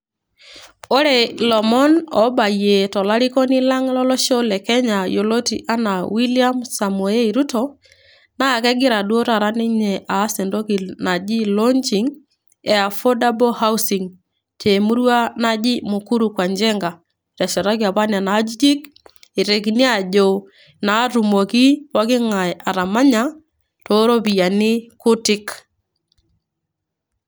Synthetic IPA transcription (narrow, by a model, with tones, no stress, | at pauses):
o˦ɾe˨lɔ˨mɔ˦nɔ˨ba˨je˨tɔ˨la˦ɾi˦kɔ˦nɪ˦la˦ŋlɔ˦lɔ˦ʃɔ˦lɛ˨kɛ˦ɲa˨jo˨lo˦tḭ˨ʔa˦na˨wi˦li˦a˦msa˨mwɔ˨e˦i˨ɾu˦tɔ | na˦˨kɛ˦ɡɪ˦ɾa˨dwo˦ɾa˨ɾa˦nɪ˦ɲɛ˨ʔa˨˦sɛ˨ndo˦ki˨na˨d͡ʒi˦lɔ˦nt͡ʃi˨ŋ | ɛ˨a˨fo˦da˦bɔ˦ha˦u˦si˨ŋ | t͡ʃe˨mu˦ɾwa˦na˦d͡ʒɪ˦mʊ˨ku˦ɾu˨kwa˨nd͡ʒɛ˦ŋɡa˨ | ɾa˨ʃɛ˨ɾa˦ki˦a˨βa˦nja˨na˨˦d͡ʒi˦d͡ʒi˦kɪ˨ɾɛ˨ki˨ni˦a˨ʄo˨ | na˨˦ɾu˨mo˨ki˦wa˦kɪ˦ŋa˨ja˨ɾa˨ma˦ɲa˦ | to˨˦ɾo˦bi˨ja˨nɪ˦kʊ˦tɪ˦k